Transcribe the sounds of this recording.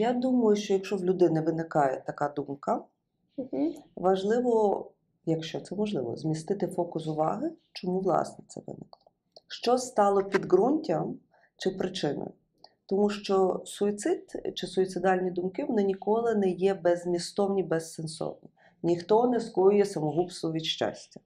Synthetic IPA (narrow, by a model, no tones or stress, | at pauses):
jad̪umɐjʊʃt͡ʃɔjɐkʃt͡ʃɔwlʲʊd̪ɪnɛʋɪnɪkɑjɛt̪ɐkɑd̪umkɐ | ʋɐʒlˠɪʋɔ | jɐkʃt͡ʃɔt̪sɛmɔʒlˠɪʋɔ̰zʲmʲist̪ɪt̪ɪfɔkʊsʊʋɑ̰ɦɪt͡ʃɔmuʋlˠɑ̰snɛt̪sɛ̰ʋɪ̰nɪklˠɔ | ʃt͡ʃɔst̪ɑlˠɔpʲid̪ɡɾunʲtʲɐm | t͡ʃɪpɾɪt͡ʃɪnɔ̰jʊ | t̪ɔmuʃt͡ʃɔsʊit̪sɪt̪t͡ʃɪsʊit̪sɪd̪ɑlʲnʲid̪ʊmkɪʋɔnɪnʲikɔlˠɪnɛjɛbɛzmʲist̪ɔwnʲibɛssensɔ̰wnʲi | nʲixt̪ɔnɛskɔjʊjɛsɐmɔɦupsɔʋʲid̪ʃt͡ʃɑ̰sʲtʲɐ